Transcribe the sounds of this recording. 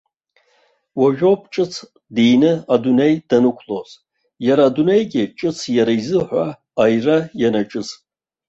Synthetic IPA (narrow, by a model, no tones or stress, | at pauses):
waʒᶣop̚ʰt͡ʃʼɨt͡sʰ | dijnɨadune̞jdanɨkʷʰloz | jaɾaːdune̞jɡʲɪt͡ʃʼɨt͡sʰjaɾaizɨħʷa | ajrajanat͡ʃʼɨz